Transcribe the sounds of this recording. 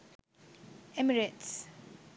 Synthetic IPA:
ɛmiɹɛts

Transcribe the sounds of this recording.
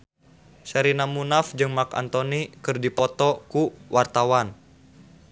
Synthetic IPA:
sɛɾinamunafd͡ʒɨŋmaka̰nt̪onikɨrdipɔt̪ɔkuwʔart̪awan

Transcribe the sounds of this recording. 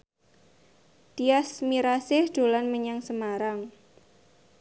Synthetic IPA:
d̪̥iasmiɾasɪhd̪̥o̤lanməɲaŋsəmaɾaŋ

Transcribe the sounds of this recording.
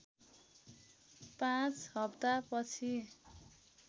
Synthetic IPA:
pãt͡shɦʌpt̪apʌt͡sʰi

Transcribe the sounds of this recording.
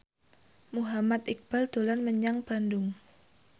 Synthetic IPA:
muɦamat̪ik̚b̥ald̪̥o̤lanməɲaŋb̥a̤ndʊŋ

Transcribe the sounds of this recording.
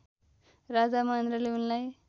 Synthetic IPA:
ɾad͡zamand̪ɾəliunlaj

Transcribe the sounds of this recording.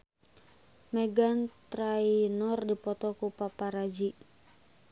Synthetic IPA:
mɛɡant̪ɾainɔrdipɔt̪ɔkupapaɾad͡ʒi

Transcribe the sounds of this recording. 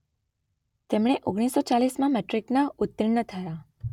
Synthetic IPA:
t̪emɽ̃eʔoɡɽ̃isːot͡ʃalismãmɛʈɾiknaʊt̪̚ːɾiɳːət̪ʰəja

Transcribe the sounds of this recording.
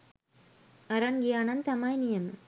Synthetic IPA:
ɐɾanɡijaːnɐnt̪ɐmaːjnijɐm

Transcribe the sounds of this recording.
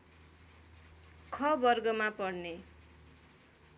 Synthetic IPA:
kʰʌbʌrɡʌmapʌɽne

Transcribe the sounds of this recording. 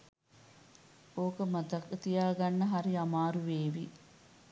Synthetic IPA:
oːkəmɐt̪ɐkːət̪ijaːɡɐnːəɦaɾiɐmaːɾuʋeːʋi

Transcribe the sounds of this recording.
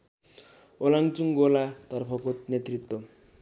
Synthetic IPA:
ʊlaŋt͡suŋɡolat̪aɾpʰɔpʰot̪̚net̪rit̪ːɔ

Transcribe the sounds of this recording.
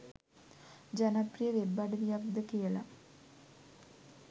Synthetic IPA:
d͡ʑɐnɐprijɐʋebaːɖɐʋjaːbd̪ɐkeɭɐ

